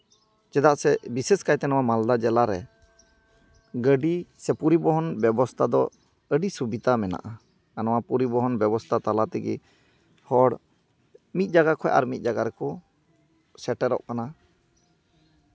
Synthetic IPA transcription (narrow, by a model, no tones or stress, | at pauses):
t͡ʃɛd̪aʔsɛbisɛskajt̪ɛnɔwamald̪ad͡ʒɛlaɾɛ | ɡəɖisɛpuɾibɔɦɔnbjɛbɔst̪ʰad̪ɔ̰ | əɖisubit̪amɛna̰ʔa | anɔwapuɾibɔɦɔnbɛbɔst̪ʰat̪alat̪ɛɡɛ̰ | hɔɽ | mit̪̚ˀd͡ʒaɡakʰɔɛ̰ʔa̰ɾmit̪̚ˀd͡ʒaɡaɾɛkɔ | sɛʈɛɾɔ̰ʔkana